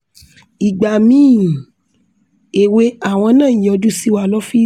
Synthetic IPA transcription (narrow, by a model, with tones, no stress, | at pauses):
i˨ɡ͡ba˨mĩː˦˨ | e˨we˧˦a˦˨w̃ɔ̃˧nã˦˨jɔ̃˧du˦si˦wa˧˨lɔ˦fi˦